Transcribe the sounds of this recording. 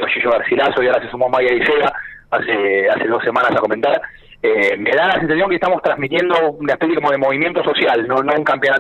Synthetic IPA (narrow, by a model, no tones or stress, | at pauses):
oʃiʃoɣaɾsilasojaɾasesumomajaiseɣaasease̞ðo̞sːe̞mãnasako̞ment̪aɾ | eme̞ðalasensasjoŋkest̪amo̞st̪ɾazmit̪je̞nd̪o̞unaehpesjeko̞mo̞ðe̞mo̞βimje̞nt̪o̞so̞sjalnonouŋkampjo̞na